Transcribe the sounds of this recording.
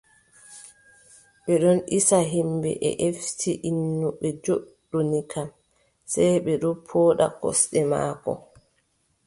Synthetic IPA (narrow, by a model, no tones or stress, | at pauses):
ɓɛɗɔnʔisaɦimbɛ̰ʔɛ̰ʔeftiʔinːuɓɛd͡ʒoɗːunikʰam | sɛjɓɛɗɔpʰoːɗa̰kɔ̰sɗɛma̰ːkɔ̰